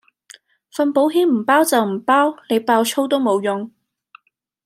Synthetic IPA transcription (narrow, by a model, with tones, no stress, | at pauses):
fɐ˧npo˨˥wɦiː˥nm̩˨˩paː˥wt͡sɐ˨wm̩˨˩paː˥wle˨˧jpaː˧wt͡ʃʰo˥wt̪o˥wmo˨˧wjʊ˨ŋ